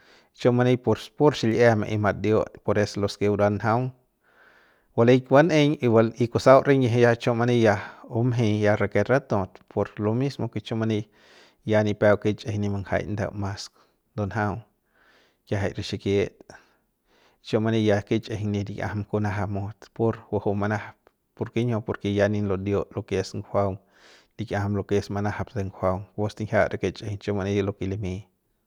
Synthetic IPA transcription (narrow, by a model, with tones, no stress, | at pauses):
t͡ʃo˦ma˧ni˦˧poɾpo˦ɾʃi˧le˦mḛ˧ʔi˧ma˧t̪̚d̪jo˦t̪po˧ɾe˦solo˧ske˧wɾa˧nɦa˦w | wa˧lejkwa˦ne˦ɲi˧wa˧li˧kusa˦wɾe˦ɲje˧ɦe˧ja˦t͡ʃo˦ma˧ni˧ja˧o˦mɦĩ˧ja˧ɾa˧ke˧ɾa˦t̪õ˧t̪pʰo˧ɾlo˧mi˦smo˧ke˧t͡ʃo˦ma˧ni˧ | ja˧ni˧pe˧wki˦t͡ʃe˧hni˧ma˧ŋha̰˧jnd̪ḛ˧wma˧sk̪ | d̪onɦa˦w | kʲjaɦa̰˨jɾiʃikje˦t̪ | t͡ʃo˦ma˧ni˧jaki˦t͡ʃʼehŋnid̪ikʲa̰˨hamku˧naɦamot̪po˦ɾwa˧ho˧ma˧nahap̚ | po˧ɾke˦ɲopo˧ɾkejaninlod̪jo˦ʔloke˧sŋwawŋ | d̪ikjaha˧mlo˧ke˧smanahapd̪e˧ŋɡwawŋost̪iŋhʲa˦ɾake˧t͡ʃʼehŋt͡ʃoma˧nilokilimi